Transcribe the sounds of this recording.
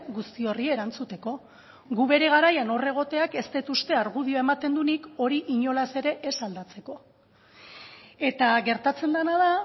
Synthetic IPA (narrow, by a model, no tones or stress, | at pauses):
ɡust̪io̞rieɾant͡sut̪e̞ko̞ | ɣuβe̞ɾe̞ɣ̞aɾajano̞re̞ɣ̞o̞t̪e̞ake̞st̪et̪ust̪e̞aɾɣuðioe̞mat̪e̞nd̪uniko̞ɾiʔiɲo̞lase̞ɾe̞ʔesald̪at͡se̞ko̞ | e̞t̪aɣe̞ɾt̪at͡se̞nd̪anaða